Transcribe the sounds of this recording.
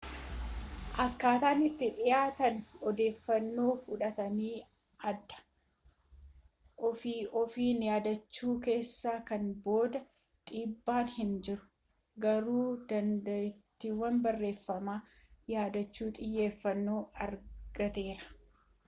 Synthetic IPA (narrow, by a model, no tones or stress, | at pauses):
ʔɐkːaːt̪aːnɪt̪ːɪᶑɪjaːt̪ɐnɔd̪e̞ːfːɐnːo̞ːfʊᶑɐt̪ɐniː | ʔɐd̪ːɐ̥ | ʔɔfiːʔɔfiːnjaːd̪ɐt͡ʃːuːke̞ːsːaːkɐnbo̞ːd̪ɐ | ᶑ̪ʼiːbːaːnhɪnd͡ʒɪɾʊ̥ | ɡɐɾuːd̪ɐnd̪ɐɪt̪ːiwːɐnbɐrːe̞ːfːɐmaː | jaːd̪ɐt͡ʃːuːt̪ʼɪjːe̞ːfːɐnːo̞ːɐɾɡ̥ɐt̪e̞ːɾɐ̥